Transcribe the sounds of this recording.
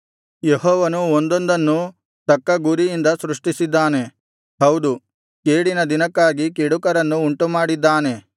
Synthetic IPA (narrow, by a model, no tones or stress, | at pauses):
jeɦɔːʋɐnuond̪ond̪ɐnːu | t̪ɐkːɐɡuɾijind̪ɐsɾuʂʈisid̪ːaːne̞ | ɦɐwd̪u | keːɽinɐd̪inɐkːaːɡikeɽukɐɾɐnːuːɳʈumaːɽid̪ːaːne̞